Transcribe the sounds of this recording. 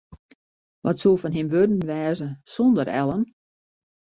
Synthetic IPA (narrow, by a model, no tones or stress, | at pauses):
ʋɔtsuəfɔnɦɪmʋødən̩ʋɛːzəsɔndəɾɛ̰lˠəm